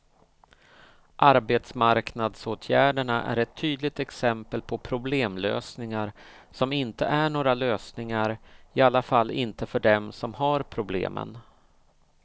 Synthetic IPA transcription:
ʔaɾbeːt̪smaɾknad̪soːt̪ʰjæːɖəɳaʔæ̰ɾɛt̪ʰːyːd̪lɪɡ̚t̪ɛksɛmpəlpʰɔpʰɾʊbleːmlø̰ːsnɪŋaɾ | sɔmɪnt̪əʔæɳoːɾaløːsnɪŋaɾɪalːafalːɪnt̪əfœɖɛmsɔmhaɾpʰɾʊblḛːmʔə̰n

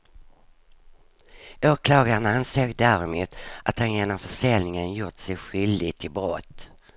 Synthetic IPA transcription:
oːkʰlɑːɡaɾənanseːɡd̪æɾɪmuːt̪ʔat̪hanjeːnɔmfœʂɛlnɪŋənjʊʈ̪sɛjɧʏld̪ɪɡt̪ʰɪlbɾɔt̪ː

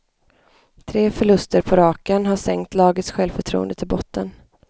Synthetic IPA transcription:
t̪ʰɾeːfœɭɵst̪əɾpʰɔɾɑːkənɦaʂɛŋkt̪ʰlɑːɡət̪sɧɛlvfœʈʰɾṵːənd̪ət̪ʰɪlbɔt̪ːən

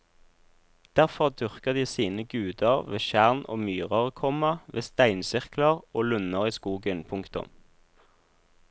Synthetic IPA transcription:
d̪̥æʁfɔʁd̪ʏʁkəʁd̪iːsiːnəɡʉːd̪əʁʋeːʃæʁnʔo̰ːmyːʁɑʁkʰɔmɑʋḛːst̪æɪnsɪʁkləʁoːlʉnəʁiːskuːɡənpʰʊŋkt̪ʊ̰m

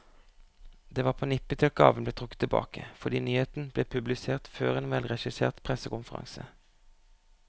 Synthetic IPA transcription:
d̪eːʋɑːʁpʰoːnɪpːət̪ʰɪl̚ɡɑ̰ːʋən̩bleːt̪ʁʊkːət̪ʰːɪbɑ̰ːkəfɔʁd̪iːnyːheːt̪n̩b̥leːpʰʉblɪseːʁt̪føːʁeːnʋɛlʁɛʃɪsḛːʁt̪pʰʁɛsəkʊmfəʁɑ̰ŋsə̰

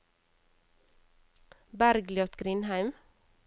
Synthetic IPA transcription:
bæɾɡljɔt̪ɡɾɪnhæɪm

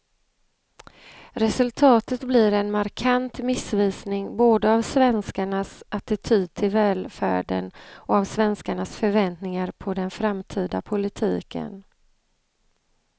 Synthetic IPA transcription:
ɾɛsɵlt̪ʰɑːt̪ət̪blɪɾɛnmaɾkʰant̪mɪsviːsnɪŋboːd̪əavsvɛnskaɳasʔat̪ɪt̪ʰyːd̪̚t̪ʰɪlvɛːlfæ̰ːɖə̰nɔavsvɛnskaɳasfœɾvɛnt̪nɪŋaɾpʰɔd̪ɛnfɾamt̪ʰiːd̪a̰pʰʊlɪt̪ʰiːkə̰n

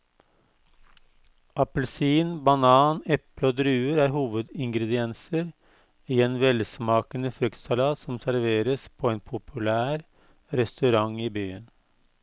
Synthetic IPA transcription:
ʔɑpəlsiːnbɑnɑːnɛpləoːd̪ɾʉːəɾæːɾɦuːʋəd̪ɪŋɡɾəd̪ɪɛnsəɾ | iːeːnʋɛlsmɑːkənəfɾʏkt̪sɑlɑːsɔmsæɾʋeːɾəspʰoːeːnpʰʊpʰʉlæːɾ | ɾɛst̪ʉɾɑŋiːbyːən

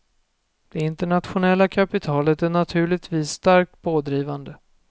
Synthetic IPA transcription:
d̪̥ɛɪnt̪ɛɳat̪ɧʊnɛlːakʰapɪt̪ʰɑːlət̪æɳat̪ʰʉ̟ːɭɪɡt̪viːsːt̪aɾk̚t̪̚bʰoːd̪ɾiːvand̪ə

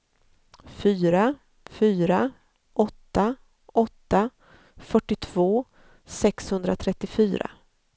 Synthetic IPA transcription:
fyːɾa | fyːɾa | ʔɔt̪ːa | ɔt̪ːa | fœʈːɪt̪ʰv̥oː | sɛkshɵnd̪ɾat̪ʰɾɛt̪ːɪfyːɾa̰

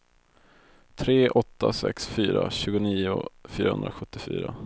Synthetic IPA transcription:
t̪ʰɾeːʔɔt̪ːasɛ̰ksfyːɾaɕʉ̟ːɡʊniːʊfyːɾahɵ̰nd̪ɾaɧɵt̪ːɪfy̰ːɾa

